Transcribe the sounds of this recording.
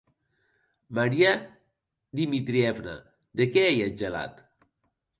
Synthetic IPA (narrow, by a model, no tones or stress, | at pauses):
maɾia | d̪imit̪ɾiɛvna̰ | d̪ekɛejad͡ʒela̰t̪